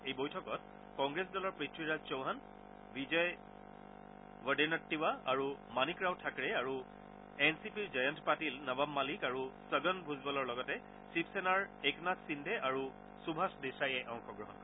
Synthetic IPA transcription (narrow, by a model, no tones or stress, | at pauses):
ejbojtʰɔkɔt̚ | kɔŋɡɹesdɔlɔɹpɹitʰɹiɹad͡ʒt͡ʃɔwɦan | bizɔj | wəɖinɔtːiwaaɹumanikɹawtʰakɹɛaɹu | ɛnsipiɹd͡ʒajɔntpatilnabamːalikaɹusəɡɔnbʱuzbɔlɔɹlɔɡɔtɛ | sipsenaɹeknatsindʱɛʔaɹu | subʱasdesajɛʔɔ̃ŋxɔɡɹɔɦɔnkɔ